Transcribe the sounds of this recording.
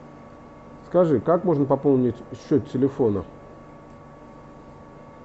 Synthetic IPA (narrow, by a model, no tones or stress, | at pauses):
skɐʐɨkakmo̞ʐnəpɐpo̞lˠnʲɪtʲɕːot̪tʲɪlʲɪfonə